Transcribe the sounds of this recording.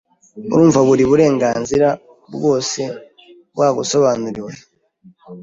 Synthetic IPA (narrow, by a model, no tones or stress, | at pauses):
ṵɾuːɱvaβuɾiβuɾe̞ːŋɡaːnziɾa | bɡo̞ːse̞ | bwaːɡuso̞βaːnuɾiwe